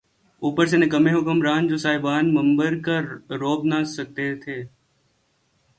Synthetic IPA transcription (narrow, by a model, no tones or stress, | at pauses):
uːpəɾs̬enẽkɐmẽɦoːkəmɾaːnd͡ʒoːsaːɪbaːnmɐ̃mbəɾkaɾoːbnasɐk̚t̪et̪ʰeː